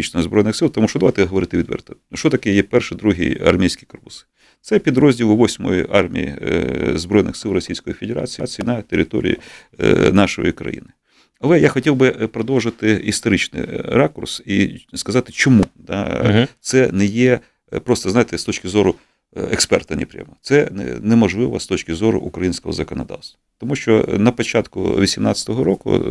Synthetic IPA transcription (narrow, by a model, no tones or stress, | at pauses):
it͡ʃnɔɔzbɾɔjnɪxsɪlˠt̪ɐmuʃt͡ʃɔd̪ɐʋɑjt̪ɛɦɔʋɔɾɪt̪ɪʋʲid̪ʋɛ̰rt̪ɐ | ʃt͡ʃɔt̪ɐkɛjɛpɛrʃɪd̪ɾuɦḭjɐ̰rmʲijsʲkʲikɔrpʊs | t̪sɛpʲid̪ɾɔzʲdʲilˠʊʋɔsʲmɔ̰jiʔɑrmʲḭjḭzbɾɔjnɪ̰xsɪlˠɾɔsʲijsʲkɔjifʲed̪ʲeɾa̰t͡sʲḭt͡sʲinɐt̪eɾʲɪt̪ɔ̰ɾʲḭjḭ | nɑʃɔ̰jikɾɐ̰jḭnɪ | ɐlˠɛjaxɔtʲiwbɪpɾɔd̪ɔwʒɪt̪ɪist̪ɔɾɪt͡ʃnɪ̰ɾɑkʊrsiskɐzɑt̪ɪt͡ʃɔmud̪̥a̰t̪sɛnɛjɛ | pɾɔst̪ɐznɑjt̪ɛst̪ɔt͡ʃkɪzɔɾʊ | ɛkspɛ̰rt̪ɐnʲḭpɾʲja̰mɔ̰t̪sɛnɛ̰nɛmɐʒlˠɪʋɐ̰st̪ɔt͡ʃkɪzɔɾʊ̰ʔʊkɾɐjinʲsʲkɔɦɔzɐkɔnɐd̪ɑ̰wst̪ʋɐt̪ɔmuʃt͡ʃɔnɐpɐt͡ʃɑt̪kʊ̰ʋʲisʲimnɑt͡sʲɐ̥t̪ɔɦɔɾɔkʊ̰